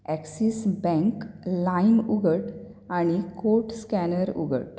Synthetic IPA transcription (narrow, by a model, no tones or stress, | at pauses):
ɛksisbɛ̃ŋklainuɡəʈ | aɽ̃ikoʈskænəɾṵɡə̰ʈ